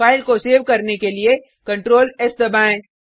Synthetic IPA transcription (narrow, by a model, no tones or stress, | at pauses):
aːɪlkoseːʋkɐɾnekelie | kɐ̃ɳʈɾoːlɛsd̪ɐbaːẽː